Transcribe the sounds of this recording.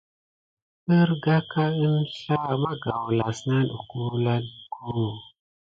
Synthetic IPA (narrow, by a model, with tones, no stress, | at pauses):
ə˦ɾɡa˦ka˦ɨ˦nɬa˦ma˦ɡa˨wla˨sna˦ɗṵ˨ku˦la˦dkʰu˦˨